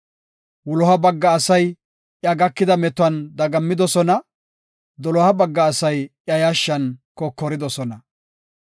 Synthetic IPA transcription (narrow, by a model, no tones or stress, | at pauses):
wʊlɔhɐbɐɡːɐːsɐj | ʔjɐɡɐkːɪd̪ɐmɛt̪ʊɐnd̪ɐɡɐmːɪd̪ɔsɔnɐ | d̪ɔlɔhɐbɐɡːɐːsɐjjɐjɐʃːɐnkɔkːɔɾɪd̪ɔsɔnɐ